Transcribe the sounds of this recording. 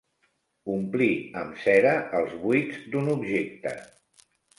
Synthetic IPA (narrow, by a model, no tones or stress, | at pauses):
umpliəmsɛɾəəlˠzβujzd̪unubʒek̚t̪ə̰